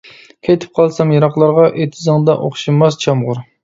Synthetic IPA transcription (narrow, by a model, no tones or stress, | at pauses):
kʲʰejt̪ʰɪ̥p̚qʰɑlˠsɑmjɑɾɑχlˠɑɾʁɑʔet̪ʰɪzɨŋd̪ɑ̰ʔoχʃimɑst͡ʃʰɑmʁʊɾ